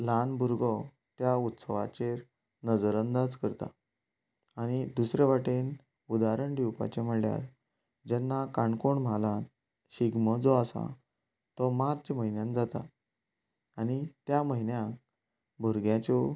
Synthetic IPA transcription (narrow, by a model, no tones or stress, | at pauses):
lanbʱuɾɡɔ | t̪jaut̪səʋat͡ɕeɾ | nəd͡zəɾənd̪ad͡zkəɾt̪a̰ | aɽ̃id̪usɾeʋaʈen | ud̪aɾəɳɖiwpa̰t͡ɕem̤əɭlja̰ɾ | d͡ʑɛnːakãɳkoɳm̤alã | ɕiɡməd͡zɔasa̰ | t̪ɔmaɾd͡ʑməɦinjãnd͡zat̪a̰ | añit̪jaməɦinjãk | bʱuɾɡjãt͡ɕɔ